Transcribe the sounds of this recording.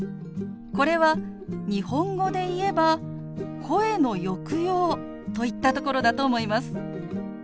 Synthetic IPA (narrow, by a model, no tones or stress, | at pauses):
ko̞ɾe̞βa | ɲ̟ihõ̞ŋɡo̞d̪e̞ie̞ba | kʰo̞e̞no̞jo̞kɯ̟jo̞ː | t̪o̞it̪ːat̪o̞ko̞ɾo̞d̪at̪o̞ːmo̞imasɨ̥